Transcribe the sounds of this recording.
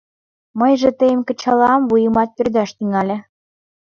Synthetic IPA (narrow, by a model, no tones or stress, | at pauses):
mə̆jʒĕt̪əjəmkɤ̆t͡ɕɑlɑɑmβujɤmɑt̪̚pø̆rd̪æʃt̪yŋɑlʲɘ̆